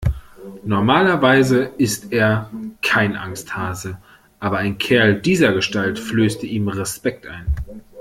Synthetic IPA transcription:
nɔɐmaːlɐvaɪzəʔɪsteːɐkʰaɪnʔa̰ŋsthaːzə | ʔaːbɐaɪnkʰɛɐldiːzɐɡəʃtaltfløːstəʔiːmʁɛspɛk̚tʔa̰ɪn

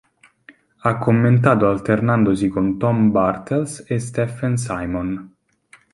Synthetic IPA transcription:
akʰːomːent̪̬aːt̪oalt̪ernand̪osikont̪ɔmbart̪elsest̪ɛfɛns̬ajmon

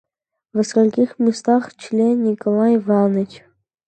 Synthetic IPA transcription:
vʲəskolʲkʲixmʲɪst̪ɑχt͡ɕlʲenʲikolˠɑjvɑnət͡ɕ

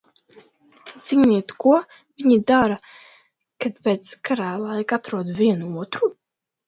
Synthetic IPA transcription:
z̥iɲiːt̪kuɔ | viɲid̪aːɾa | kad̪pɛt̪skʰaɾaːlˠaɛkat̪ɾuɔd̪viɛnuuɔt̪ɾu

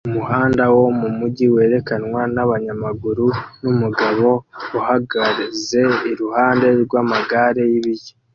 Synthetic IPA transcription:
umuhaːndawo̞mumuɟiwe̞ːɾe̞kanwanaβaɲamaɡuɾunumuɡaβo̞uhaɡaɾize̞iɾuhaːnde̞ɾɡwaːmaɡaɾe̞jiβije

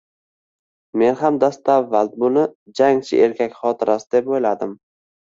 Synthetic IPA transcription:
me̞nɦamd̪ast̪avːald̪bʊnɪd͡ʒaŋt͡ʃʰɪʔeɾkʲʰakʲχɒt̪ʰɪɾʔasɪd̪e̞pojlad̪ɪm

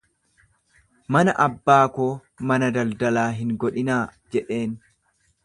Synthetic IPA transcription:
mɐnɐʔɐbːaːkoː | mɐnɐd̪ɐld̪ɐlaːɦɪŋɡɔᶑɪnaːd͡ʒɛᶑe̞ːn

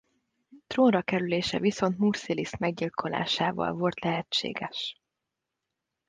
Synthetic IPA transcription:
t̪roːnrɒkɛɾyleːʃɛ̰viso̞nt̪muːrsilismɛɡɟilkʰo̞la̰ːʃaːvɒ̰lvo̞lt̪lɛɦɛt͡ʃːḛːɡɛʃ

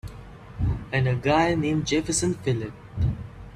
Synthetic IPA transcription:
ɨ̃nəɡaɪnẽːm̚d͡ʒɛfəsə̃nfɪlɪp̚

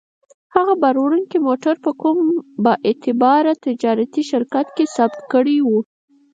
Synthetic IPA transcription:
haɣabaɾwɾuŋkimoʈaɾpəkumbəʔet̪ɪbɑɾat̪ɪd͡ʒɑɾat̪iʃɪɾkat̪kesabt̪kəɽiwu

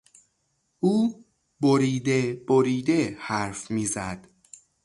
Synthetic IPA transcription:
ʔuː | boɾiːd̪eb̥oɾiːd̪ehæɾfmiːzæd̪̥

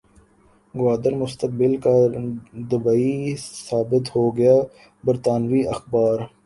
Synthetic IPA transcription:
ɡwaːd̪əɾmʊst̪ək̚bɪlkad̪ɐbaːisaːbɪt̪hoːɡɐjaː | bɐɾt̪aːnʋiɐxbaːɾ

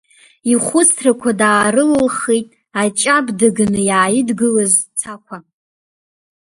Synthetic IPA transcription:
iχʷʊt͡sʰrakʷʰadaːɾɨlɨlχejtʼ | at͡ʃʼabdɨɡnɨjaːjɪdɡɨlazt͡sʰakʷʰa

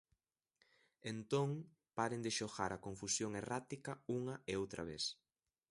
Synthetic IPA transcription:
ent̪oŋ | paɾend̪ɪʃoɣaɾɐkõɱfusjoŋerat̪ikɐuŋɐeowt̪ɾʔɐ̰β̞ḛs

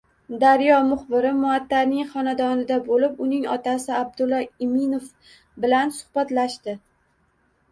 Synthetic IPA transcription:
d̪aɾjɒmʊχbɪɾɪmʊat̪ʰːaɾnɪŋχɒnad̪ɒnɪd̪abolɪpʊnɪŋɒt̪ʰasɪab̚d̪ʊlˠːɒɪmɪnof | bɪlansʊ̥hbat̪laʃt̪ɪ

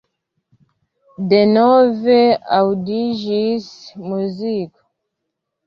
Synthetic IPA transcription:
dɛnɔvɛawdiʒismuzik

